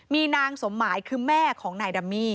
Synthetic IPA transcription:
miː˧naː˧ŋso˩˦mːaː˩˦jkʰɯː˧mɛː˥˩kʰɔː˩˦ŋnaː˧jda˧mːiː˥˩

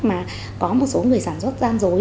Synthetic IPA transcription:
maː˨˩ | kɔ˨˦mo˨˩t̚so˨˦ŋɨ˨˩əjsaː˧˩nswə˦˥t̚zaː˧mzo˨˦

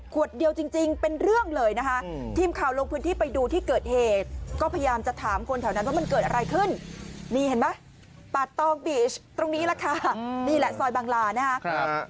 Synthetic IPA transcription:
ku˨˩ət̪̚di˧əwt͡ɕi˧ŋt͡ɕi˧ŋpe˧nɾɯ˥˩əŋlɤː˧jna˦˥kʰa˦˥ʔt̪ʰiː˧mkʰaː˨˩wlo˧ŋpʰɯː˦˥nt̪ʰiː˥˩pa˧jduː˧t̪ʰiː˥˩kɤː˨˩t̪̚heː˨˩t̪̚kɔː˥˩pʰa˧jjaː˧mt͡ɕa˨˩t̪ʰaː˩˦mkʰo˧nt̪ʰaː˨˩wna˦˥npʰɔ˦˥ma˧nkɤː˨˩t̪̚ʔa˧ɾa˧jkʰɯ˥˩nniː˧he˩˦nma˦˥ | pa˨˩t̪ːɔː˧ŋbiː˨˩t͡ɕt̪ɾo˧ŋniː˦˥la˧˩kʰa˧˩niː˧˩lɛ˧˦sɔː˧jbaː˧ŋlaː˧na˦˥kʰa˦˥

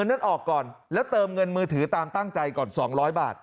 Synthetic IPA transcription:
nːa˥˩nʔɔː˨˩kːɔː˨˩nlɛː˦˥wt̪ɤː˧mŋɤ˧nmɯː˧t̪ʰɯː˩˦t̪aː˧mt̪a˥˩ŋt͡ɕa˧jkɔː˨˩nsɔː˩˦ŋɾɔː˦˥jba̰ː˨˩t̪̚

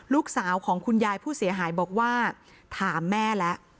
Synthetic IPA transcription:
luː˦˥˩k̚saː˩˦wkʰɔː˩˦ŋkʰu˧njaː˧jpʰuː˥˩si˩˦ɐɦaː˩˦jbɔː˨˩k̚waː˥˩ | t̪ʰaː˩˦mːɛː˥˩lɛ˦˥ʔ

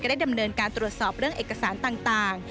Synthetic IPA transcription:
a˧˩daː˥˩jda˧mnɤː˧nkaː˧nt̪ɾu˨˩ət̪̚sɔː˨˩p̚ɾɯ˥˩əŋʔeː˨˩kːa˧saː˩˦nt̪aː˨˩ŋt̪aː˨˩ŋ

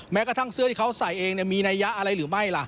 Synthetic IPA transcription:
mɛː˦˥ka˧t̪ʰa˥˩ŋsɯ˥˩t̪iː˩ka˦˥wsa˨˩˦jʔeː˧ŋni˥˩miː˧na˧jːa˦˥ʔa˧ɾa˧jɾɯː˩˦ma˥˩jla˧˩ʔ

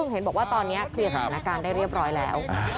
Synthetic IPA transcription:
ɯ˧˩ŋɦe˩˦nbɔː˨˩kwaː˥˩t̪ɔː˧nːi˦˥ɐkʰɯ˧˩sʰnaː˦˧˥kaː˧ndaː˥˩jɾi˥˩p̚ɾɔː˦˥jlɛ̰ː˦˥w

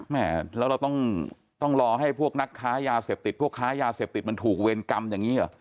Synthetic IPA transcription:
mɛ˥˩lɛ˦˥wɾa˧wt̪ɔ˥˩ŋ | t̪ɔ˥˩ŋɾɔː˧ɦa˥˩jpʰu˥˩ək̚na˦˥kʰːaː˦˥jaː˧seː˨˩p̚t̪i˨˩t̪̚ʰu˥˩əkʰːaː˦˥jaː˧seː˨˩p̚t̪i˨˩t̪̚ma˧nt̪ʰuː˨˩k̚we˧nka˧mjaː˨˩ŋiː˦˥ʔa˨˩

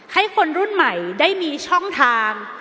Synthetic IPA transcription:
ha˥˩jkʰo˧nɾu˥˩nma˨˩jdaː˥˩jmiː˧t͡ɕʰɔ˥˩ŋt̪ʰaː˧ŋ

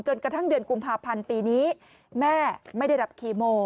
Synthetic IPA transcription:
t͡ɕo˧nkɾa˧t̪ʰa˥˩ŋdɯ˧ənku˧mpʰaː˧pʰa˧npiː˧niː˦˥ | mɛː˥˩ma˥˩jda˥˩jda˨˩p̚kʰiː˨˧˩moː˧

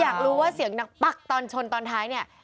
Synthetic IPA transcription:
jaː˨˩k̚ɾuː˦˥waː˥˩si˨˩˦əŋna˦˥k̚pa˥˩k̚t̪ɔː˧nt͡ɕʰo˧nt̪ɔː˧nt̪ʰaː˦˥jni˥˩ɐ

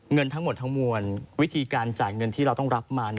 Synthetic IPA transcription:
ŋɤ˧nt̪ʰa˦˥ŋmo˨˩t̪ʰːa˦˥ŋmu˧ənwi˦˥t̪ʰiː˧kaː˧nt͡ɕa˨˩t̪̚ŋɤ˧nt̪ʰiː˥˩ɾa˧wt̪ɔ˥˩ŋɾa˦˥p̚maː˧n

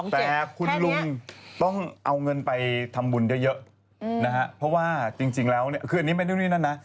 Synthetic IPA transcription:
t̪ɛː˨˩kʰu˧nlu˧ŋt̪ɔ˥˩ŋʔa˧wŋɤ˧npa˧jt̪ʰa˧mbu˧njɤ˦˥jɤ˦˥ʔ | na˦˥kʰa˦˥ʔpʰɔ˦˥waː˥˩t͡ɕi˧ŋt͡ɕi˧ŋlɛː˦˥wni˥˩ɐkʰɯ˧a˨nːi˦˥ma˧ndu˥˩˨niː˥˩na˥˨nːa˦˥

